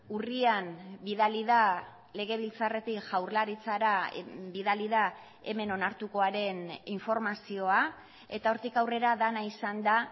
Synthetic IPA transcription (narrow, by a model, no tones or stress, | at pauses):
urianbiðaliða | le̞ɣ̞e̞β̞ilt͡sare̞t̪ikʝawɾlaɾit͡saɾabiðaliða | e̞̰me̞no̞naɾt̪uko̞aɾe̞niɱfo̞ɾmasio̞a | e̞̰t̪ao̞ɾt̪ikawre̞ɾaðanaisand̪a